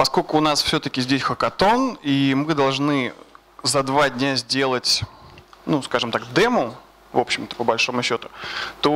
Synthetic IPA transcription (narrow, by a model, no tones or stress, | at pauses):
pɐsko̞lʲkʊːnasfsʲɵt̪əkʲɪzʲdʲesʲxəkɐt̪o̞nimɨd̪ɐlˠʐnɨ | zɐd̪vadʲnʲazʲdʲe̞lˠətʲ | nuskaʐɨmt̪akd̪ɛmʊ | vo̞pɕːɪmt̪ə̥pəbɐlʲʂo̞mʊɕːot̪ʊ̥t̪o̞